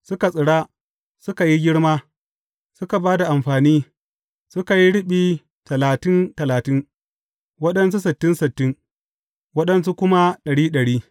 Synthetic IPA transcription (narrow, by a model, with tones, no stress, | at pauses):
sʊ˦ka˨sʼɪ˨ɽa˦ | sʊ˦ka˨ji˦ɡʲɪ˦ɽmaː˦ | sʊ˦ka˨baː˦da˨ʔa˨mɸaː˨niː˦ | sʊ˦ka˨ji˦ɽɪ˦ɓiː˨ | tɐ˨laː˨tɪ˦ntɐ˨laː˨tɪ˦ŋ | wɐ˦ɗɐ˦ns̬u˦sɪ˨tːɪ˦nsɪ˨tːɪ˦ŋ | wɐ˦ɗɐ˦ns̬u˦kʷʊ˦ma˦ɗɐ˨ɽiː˦ɗɐ˨ɽiː˦